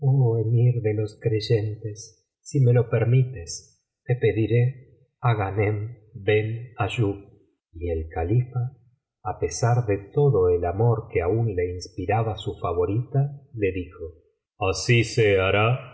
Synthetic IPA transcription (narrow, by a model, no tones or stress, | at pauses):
oemiɾðelo̞skɾeʒent̪esː | imelopeɾmit̪es | t̪epeðiɾe | aɣanem | benaʒuɣ | ielkalifaː | pesaɾðet̪oðoelamoɾkeaunleinspiɾaβasufaβo̞ɾit̪aleðixo | asiseaɾa